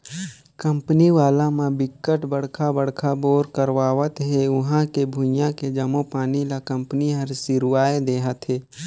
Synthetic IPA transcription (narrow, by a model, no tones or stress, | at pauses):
kə̃mpəniʋaːlãmãbɪkːəʈbəɽkʰabəɽ̤kʰaboːɾkəɾwaːʋət̪ɦɛʊɦãkebʱʊ̃jãked͡ʒəmopaːnilakɐ̃mpəniɦəɾsɪɾwaːed̪eːɦət̪ɦeː